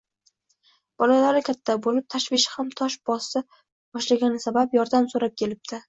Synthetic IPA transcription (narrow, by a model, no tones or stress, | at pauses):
b̥ɒlalaɾɪkʲʰat̪ʰːabolɪp̚t̪ʰaʃvɪʃɪ̥hamt̪ʰɒʃbɒsɪ | bɒʃlaɡʲanɪsabapjɒɾd̪amsoɾap̚kʲʰe̞lɪp̚d̪̥ɪ